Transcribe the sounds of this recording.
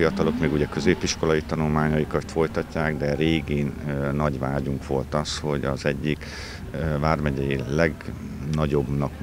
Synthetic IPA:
iɒt̪ɒlo̞kmeːɡuɟɛkøzeːpiʃko̞lɒjit̪ɒnulmaːɲɒjikɒt̪fo̞jt̪ɒcːaːɡd̪ɛɾeːɡeːnnɒɟʋaːɟuŋkʋo̞lt̪ɒsho̞ɟɒzɛɟːik | vaːrmɛɟɛjilɛɡ | nɒɟo̞bnɒk

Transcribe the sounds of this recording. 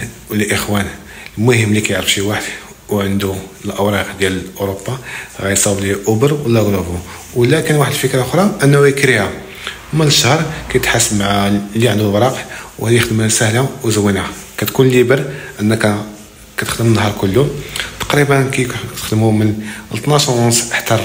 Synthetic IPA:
lʔəxwæn | lmuhəmlikæjəʕɾəfʃiwaħəd̪ | wʕənd̪uəlʔəwɾˤɑqd̪jæləʔoɾobːɑɣæjsˤɑbliʔʊbəɾˤwəlːæɡlufu | wlækənwaħəd̪lfəkɾɑʔʊxɾˤɑʔənːæwjəkɾihæ | mæləʃːɑhɾˤkæjt̪ħasːəbmaʕaliʕənd̪ulwɾˤɑqwhæd̪jəxd̪əmæsæhlawzəwːinhakæt̪kunlibəɾʔənːək | kæt̪əxd̪əmənːhɑɾˤkʊlːut̪ɑ̥qɾibənkæt̪t̪əxd̪əmumənəlt̪nɑsɑnsħt̪ɑɾˤ

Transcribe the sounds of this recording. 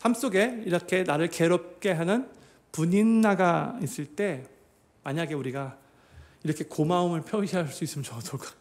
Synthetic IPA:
sams͈oɡe̞iɾʌkʰe̞naɾɯɭke̞ɾop̚k͈e̞ɦanɯn | puɲinːaɡais͈ɯɭt͈e̞ | maɲaɡe̞uɾiɡa | iɾʌkʰe̞komaomɯɭpʰjoiɦaɭs͈uis͈ɯmɯnt͡ɕʌdok

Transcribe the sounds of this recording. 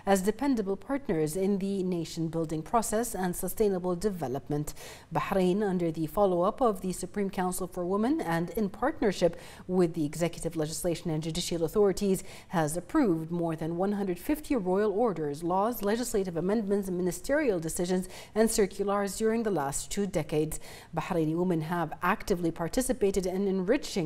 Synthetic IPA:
ɨzdɨpɛ̃ndɨbl̩ˠpʰɑɹtⁿnə˞zɪ̃nðɨneɪʃɨ̃n̩bɪlˠdɪ̃ŋpʰɹ̥ɔsɛsɨ̃nsəstẽɪ̃nəbl̩ˠdɨvɛlˠəp̚mɨ̃nt | baħɾẽɪ̃nʌ̃ndə˞ðɨfɑlˠoʊʌpʌvðɨsɨpʰɹ̥ĩmkʰãʊ̃nsl̩ˠfə˞wɪ̃mɨ̃nɨ̃ndɪ̃npʰɑɹtⁿnə˞ʃɪp | wɪðiɨɡzɛkjɨɾɨvlɛd͡ʒɨsleɪʃɨ̃nɨ̃nd͡ʒʉdɪʃl̩ˠəθɔɹɨɾiz̥ | hɨzɨpʰɹ̥uvd̚mɔɹðɨ̃nwʌ̃nɦʌ̃ndɹɨd̥fɪftʰiɹɔɪl̩ˠɔɹɾə˞zlɔzlɛd͡ʒɨsleɪɾɨvəmɛ̃ndmɨ̃ntsmɪnɨstʰɪɹil̩ˠdɨsɪʒɨ̃nz | ɨ̃nsɜ˞kʰjl̩ˠəɹzdʊɹɪ̃ŋðəlæstʰʉdɛkeɪdz̥ | baħɾẽɪ̃niwʊmɨ̃nəvʔæktɨvlipʰɑɹtʰɪsɨpeɪɾɨɾɪ̃nɨ̃nɹɪt͡ʃɪ̃

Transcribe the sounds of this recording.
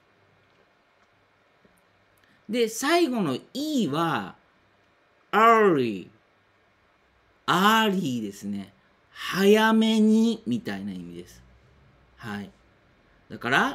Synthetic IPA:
d̪e̞saiɡo̞no̞iːβa | aɾi | aɾʲiːd̪e̞sɨne̞ | hajame̞ɲ̟imʲit̪ainaimʲid̪e̞sɨ̥ | hai | d̪̥akaɾa

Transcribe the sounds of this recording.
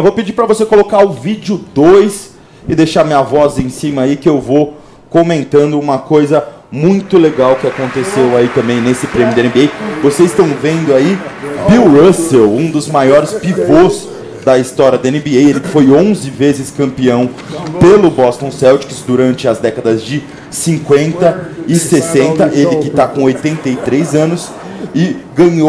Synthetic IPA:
ɛvowped͡ʒipɾɐvosekolokaʊvid͡ʒʊd̪ojs | ɪd̪ejʃaɾmĩɲɐvɔzẽj̃sĩmɐikɪewvo | komẽnt̪ɐ̃nd̪ʊũmɐkojzɐ | mũj̃t̪ʊleɡawkɪakõnt̪esewait̪ɐ̃mbẽj̃nesɪpɾẽmjʊd̪ɐẽnbeejvosezɪst̪ɐ̃w̃vẽnd̪ʊaibiwɾosewũd̪ʊzmajɔɾɪspivos | d̪ɐist̪ɔɾʲiɐd̪ʊẽnɪbiejelɪkɪfojõzɪvezɪskɐ̃mpiɐ̃w̃ | pelʊbɔst̪õw̃sɛwt͡ʃɪ̥kɪsd̪uɾɐ̃nt͡ʃɪɐzd̪ɛkɐd̪ɐzd͡ʒɪ | sĩŋkwẽnt̪ɐɪsesẽnt̪ɐʔelɪkɪt̪akõojt̪ẽnt̪ejt̪ɾejzɐ̃nʊs | ɪɡɐ̃ɲo

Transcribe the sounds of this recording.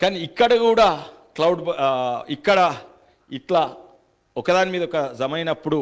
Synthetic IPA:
kaːniikːɐɽɐkuːɽaː | klɐwɖikːɐɽɐ | it̪laː | ɔkɐd̪aːnimiːd̪ɔkɐzɐmɐjnɐpːuɽu

